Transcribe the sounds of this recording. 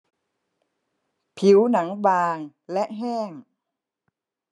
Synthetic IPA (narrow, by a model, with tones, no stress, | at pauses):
pʰi˩˦wna˩˦ŋbaː˧ŋ | lɛ˦˥ʔɦɛː˥˩ŋ